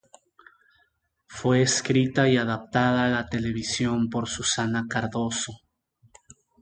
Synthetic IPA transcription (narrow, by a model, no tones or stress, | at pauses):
fwe̞ːskɾit̪aiaðap̚t̪aðaːlat̪e̞le̞β̞isjo̞mpo̞ɾsusanakaɾðo̞so